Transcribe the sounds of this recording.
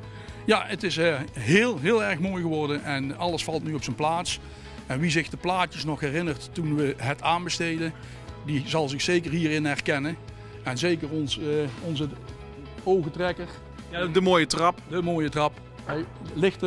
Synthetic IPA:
jaətɪsɦɪːlˠɦɪːlˠɛɹxmoːjɣəʋɔɹdəɛnɑləsfɑlˠtnyɔpsənplaːts | ɛnʋizɪxdəplaːtəsnɔxɦɛrɪnərtːunʋəɦətʰaːnbəstejdən | dizɑlˠzɪxsejkəɹɦiːrɪnɛrkɛnə | ɛnzejkəɹɔnsɔnzə | owɣətrɛkəɹ | dəmoːjətrɑpdəmoːjətrɑp | ɦɛjlɪxt

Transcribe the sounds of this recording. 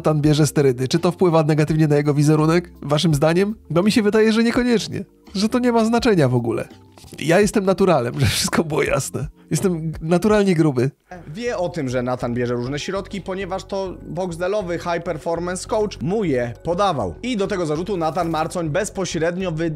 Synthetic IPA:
t̪anbʲjɛʐɛst̪ɛɾɘd̪ɘt͡ʂɘt̪ɔfpwɘvanɛɡat̪ɘvɲɛnajɛɡɔvʲizɛɾunɛkvaʂ̬ɘmzd̪aɲɛmd̪ɔmʲiɕɛvɘd̪ajɛʐɛɲɛkɔɲɛt͡ʂɲɛ̰ | ʐɛt̪ɔɲɛmaznat͡ʂɛɲavɔɡulɛ̰ | jajɛst̪ɛmnat̪uɾalɛmʐɛfʂɘst̪kɔbɘwɔ̰ja̰snɛjɛst̪ɛmnat̪uɾalɲɛɡɾubɘ | vʲjɛɔt̪ɘmʐɛnat̪anbʲjɛʐɛɾuʐnɛɕɾɔt̪kʲipɔɲɛvaʂt̪ɔbɔɡzd̪ɛlɔvɘxajpɛɾfɔɾmɛnskɔwt͡ʂmujɛpɔd̪ava̰wid̪ɔt̪ɛɡɔzaʐut̪unat̪anmaɾt̪sɔɲbɛspɔɕɾɛd̪ɲɔvɘ

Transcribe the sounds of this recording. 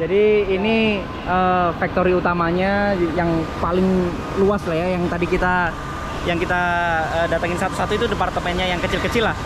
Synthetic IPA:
d͡ʒadiːni | əfak̚t̪oɾiut̪amaɲajaŋpalɪŋ | luaslahjajaŋt̪adikit̪a | jaŋkit̪aədat̪aŋɪnsat̪u̥sat̪uit̪udəpart̪əmanɲajaŋkət͡ʃɪlkət͡ʃɪlah

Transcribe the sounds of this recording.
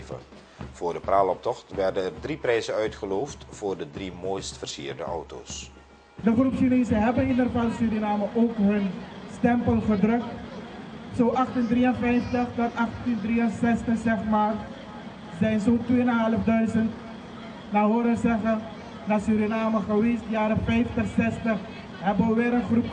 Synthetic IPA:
və̰ | v̥ʊːrdəpraːlɔp̚tɔχtʋɛrdənɛrdriprɛjzəœɥtχəloːftfoːrdədrimoːjstfərsḭːrdə̰ʔɔ̰wto̰ːs | dəχrupsineːzəɦɛbənidərfalsyɾinaːməʔoːkɦɵnstɛmpəlˠχədrɵk̚t | soːʔɑχtindriənfɛjftəχtənʔɑχtindriənsɛstəχsɛχmaːr | zɛjnzotʋeːnaɦɛləfdœɥzənt | naːɦoːɾəzɛχən | dasyɾinaːməχəʋeːsdjaːɾəxfɛjftəχsɛstəχ | ɦɛbʋɪːɾənχrup

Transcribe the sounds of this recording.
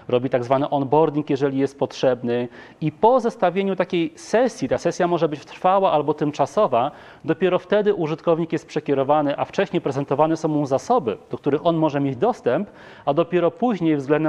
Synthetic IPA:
ɾɔbʲit̪aɡzvanɘʔɔnbɔɾd̪ʲiŋkjɛʐɛlʲijɛst̪̚pɔtʂɛbnɘ | ipɔzɛst̪avʲjeɲut̪akʲejsɛsʲjit̪asɛsʲjamɔʐɛbɘt͡ɕft̪ɾfawaʔalbɔt̪ɘmt͡ʂasɔva | d̪ɔpʲjɛɾɔft̪ɛd̪ɘʔuʐɘt̪kɔvɲikjɛst̪̚pʂɛkʲɛɾɔvanɘʔaft͡ʂɛɕɲɛpɾɛzɛnt̪ɔvanɛsɔ̃w̃muzasɔbɘd̪ɔkt̪uɾɘxɔnmɔʐɛmʲjed͡ʑd̪ɔst̪ɛmp | ad̪ɔpʲjɛɾɔpuʑɲejvzɡlɛnd̪ɛ

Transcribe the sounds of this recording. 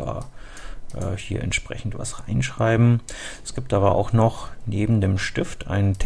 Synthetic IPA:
a̰ː | ʔɛ̰ːhiːɐʔɛ̰ntʃpʁ̥ɛ̰çn̩tv̥a̰sʁaɪnʃʁ̥aɪbm̩ʔɛsɡ̥iːp̚tʔaːbɐʔa̰ʊxnɔχneːbm̩deːmʃtɪftʔa̰ɪntʰ

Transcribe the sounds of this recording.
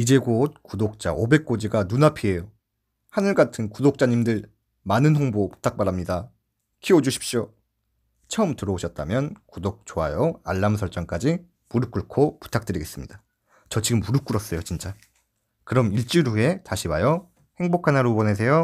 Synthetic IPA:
id͡ʑe̞ɡot̚kudok̚t͡ɕ͈a̰ʔobe̞k̚k͈od͡ʑiɡanunapʰie̞jo | hanɯɭɡatʰɯnkudok̚t͡ɕ͈aɲimdɯɭ | manɯnɦoŋbopu̥tʰak̚p͈aɾamɲida | kʰiod͡ʑuɕʰi̥p̚ɕ͈io | t͡ɕʰʌɯmtɯɾʌoɕʰʌt̚t͈amjʌnkudok̚t͡ɕ͈oɦa̰jʌaɭːamsʰʌɭt͡ɕ͈ʌŋk͈ad͡ʑi | muɾuk͈uɭkʰopu̥tʰak̚t͈ɯɾiɡe̞s͈ɯmɲid̥a | t͡ɕʌt͡ɕiɡɯmːuɾuk͈uɾʌs͈ʌjot͡ɕint͡ɕ͈a | kɯɾʌmiɭt͡ɕ͈iɾue̞taɕʰiwajo | he̞ŋbokʰanaɾubʌnes̬ʰe̞jo

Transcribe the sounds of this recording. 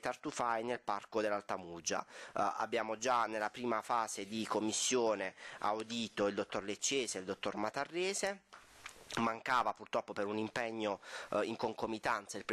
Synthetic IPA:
t̪art̪ufajnelparkod̪elːalt̪amud͡ʒa̰a̰bːjaːmod͡ʒanelːapɾiːmafaːzed̪ikomːisːjoːnea̰wd̪iːt̪oild̪ot̪ːorlet͡ʃːeːseld̪ot̪ːormat̪arːɛːze | maŋkaːvapurt̪ɾɔpːopeɾunimpɛɲːoiŋkoŋkomit̪ant̪sailp

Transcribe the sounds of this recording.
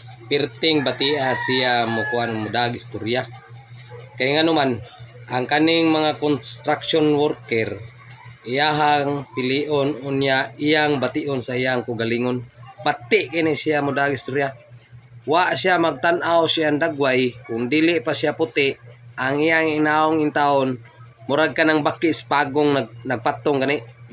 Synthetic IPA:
pirt̪iŋbat̪iasiamokuanmodaɡist̪uɾia | kaiŋanumanaŋkaniŋmaŋakɔnst̪ɾaksiɔnwɔrkɛr | iaɦaŋpiliʔɔnunijaiaŋbat̪iʔɔnsaiaŋkuɡaliŋɔnbat̪ɪʔkinɛsiamudaɡist̪uɾja | waʔsiamaɡ̚t̪anawsiandaɡwajkʊŋdiliʔpasiaput̪ɪʔaŋijaŋinaʊŋint̪aʊn | muɾaɡ̚kanaŋbakːiʔspaɡʊŋnanaɡ̚pat̪ʊŋkaniʔ

